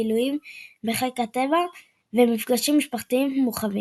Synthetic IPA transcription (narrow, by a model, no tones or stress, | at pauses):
ilujimbeχelekhat̪e̞va | vemifɡaʃimːiʃpaχt̪iimmuχavi